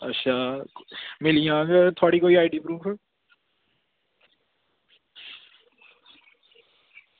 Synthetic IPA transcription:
ɐ̰tːʃʰaː | mɪlijãːɡt̪ʰoaːɽikoːiaːiɖiːpɾuːfʰ

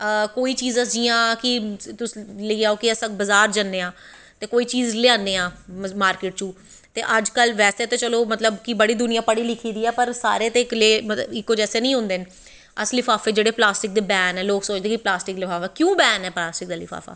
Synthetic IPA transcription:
əkoːiːt͡ʃiːzəsd͡ʒiːãːkɪt̪ʊsləiaːoːkɪəsə̃k̚bəzaːɾd͡ʒanːeːãː | t̪eːkoːiːt͡ʃiːzlɪãːndeːãːmaːɾkɪʈ̚t͡ʃũː | t̪ḛːʔəd͡ʒkəlʋɛːseːt̪ẽːt͡ʃəloːmət̪ləbkɪbəɽiːd̪ʊnɪjãːpəɽiːlɪkʰiːd̪iːɛːpəɾsa̰ːɾeːt̪eːkleːmət̪ləbɪkːod͡ʒɛːseːnəĩːɦʊ̃ːnd̪eːn | əslɪfʰaːfeːd͡ʒeːɽeːplaːsʈɪk̚d̪eːbɛːnɛːloːksoːt͡ʃd̪eːkiplaːsʈɪklɪfʰaːfɛːkjũːbɛːnɛːplaːsʈɪk̚d̪aːlɪfʰa̰ːfa̰ː

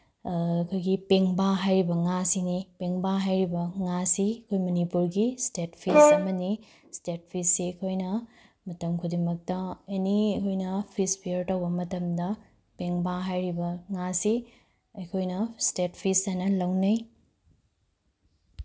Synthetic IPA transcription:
kʰojɡipeŋbaɦajɾibɐŋasinipeŋbaɦajɾibɐŋasiɐkʰojmɐnipuɾɡistet̚pʰisɐmɐni | stet̚pʰisːeɐkʰojnɐ | mɐtɐmkʰudimɐk̚tɐeniɐkʰojnɐpʰispʰijɐɾtɐwbɐmɐtɐmdɐ | peŋbaɦajɾibɐŋasi | ɐjkʰojnɐstet̚pʰisanɐlɐwnɐj

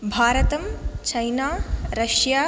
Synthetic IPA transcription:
bʱaːɾɐt̪ɐmt͡ʃɐjnaːɾɐʃjaː

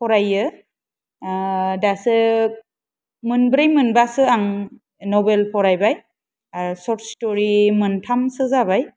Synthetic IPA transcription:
pʰɔɾajɯ | dasɯ | mɯnbɾajmɯnbasɯaŋ | nɔbelpʰɔɾajbaj | asɔɾtstɔɾimɯntʰamsɯzaβaj

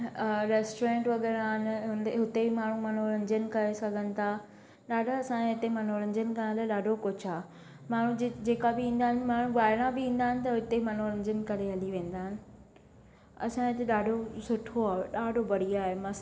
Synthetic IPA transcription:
ɾɛːsʈoɾẽːɳʈʋɐɡɛːɾaːɦɪnɪ̆ɦʊneɦʊt̪ebɪmaːɳ̤ũmɐn̤uɾɐ̃ɲd͡ʑənɪ̆kɐɾesɐɡʱənɪ̆t̪ʰa | ɗaːɖʱaɐsãɦɪt̪emɐn̤oɾɐ̃ɲd͡ʑənkɐñlaːɗaːɖʱokʊt͡ɕʰaːɦe | maːɳ̤ũd͡ʑd͡ʑeːkabɪĩːnd̪aːɦɪnɪ̆maːɽ̤ũɠaːɦɪɽ̃abɪĩːn̆d̪aːɦɪnɪ̆t̪ɐɦʊt̪emɐn̤oɾɐ̃ɲd͡ʑənkɐɾeɦɐliʋẽːn̆d̪aːɦɪnɪ̆ | ɐ̰sãɪt̪eɗaːɖʱosʊʈʰoaːeɗaːɖʱobɐɽ̤iaːɦemas

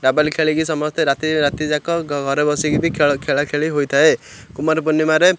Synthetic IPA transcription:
ɾabalikʰeɭikisɔmɔst̪ʰeɾat̪iɾat̪id͡ʒakɔɡʱɔɾebɔsiɡibikʰkʰeɭakʰeɭiɦojt̪ʰaekumaɾbunːimaɾe

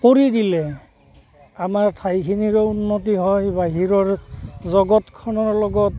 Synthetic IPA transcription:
poɹidilɛ | amaɹtʰajkʰiniɹɔunːot̬iɦɔjbaɦiɹɔɹzɔɡɔtkʰɔnɔɹlɔɡɔt

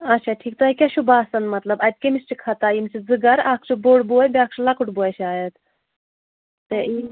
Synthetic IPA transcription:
ɐtːʃʰaːʈʰiːk̚t̪okʲeʃʰubaːsɐnmɐt̪lɐbɐt̪̚kemist͡ʃʰikʰɐt̪aːjimsʰizɨɡɐɾaːkʰt͡ʃʰuboːɽboːjbʲaːk̚ʰt͡ʃʰulɐkuʈboːjt͡ʃʰaːjɐt̪ | t̪ei

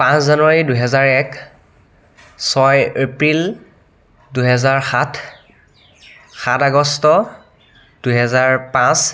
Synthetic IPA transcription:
pãszanwaɹiduɦɛzaɹɛk | sɔjepɹil | duɦɛzaɹxatʰ | xataɡɔstɔ | d̥uɦɛzaɹpãs

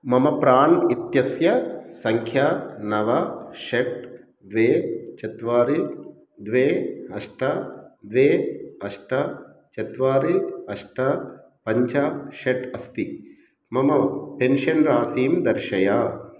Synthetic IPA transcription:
mɐmɐpɾaːnit̪jɐsjɐsɐŋkʰjanɐʋɐʃeʈ̚ | d̪ʋeːt͡ʃɐt̪ʋaːɾi | d̪ʋeːɐʂʈɐd̪ʋeːɐʂʈɐ | t͡ʃɐt̪ʋaːɾiɐʂʈɐ | pɐɲt͡ʃɐʃeʈɐst̪i | mɐmɐpenʃɐnɾaːsiːmd̪ɐɾʃɐjaː

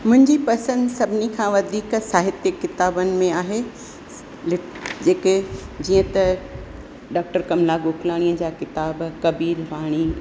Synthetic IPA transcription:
mʊ̃ɦɪ̃ɲd͡ʑipɐsə̃nd̪sɐbʱɪnikʰãːʋɐd̪ʱiːksaːɦɪt̪jəkːɪt̪aːbənɪ̆mẽaːɦe | lɪ | d͡ʑeːked͡ʑiːə̃t̪ɐ | ɖaːk̚ʈəɾkɐmlaɡʊkʰlaːɽ̃iːəd͡ʑaːkɪt̪aːbkɐbiːɾʋaːɽ̃i

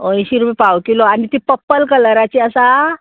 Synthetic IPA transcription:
õj̃ɕiɾupipawkilɔanit̪ipəpːəlkələɾat͡ɕiəsa

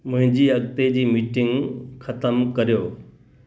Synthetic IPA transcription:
mʊ̃ɦɪ̃ɲd͡ʑiɐɡt̪ed͡ʑiːmiːʈɪ̃ŋɡxʰɐt̪əmkɐɾijoː

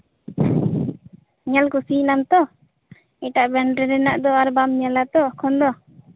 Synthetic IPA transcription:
ɲalkusinamt̪ɔ | iʈaʔbɛɳɖɾɛɾɛnaʔd̪ɔaɾbamɲalat̪ɔkʰɔnd̪ɔ

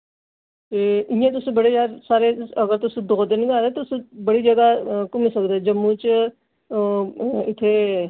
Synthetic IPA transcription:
eĩjẽt̪̬ʊsebəɽed͡ʒaːɾsaːɾeɐɡəɾt̪ʊsed̪od̪əniɡaːɾet̪ːsebɐɽid͡ʒɐɡakʊmisəkd̪ad͡ʒɐmːũt͡ʃ | ɪt̪ʰe

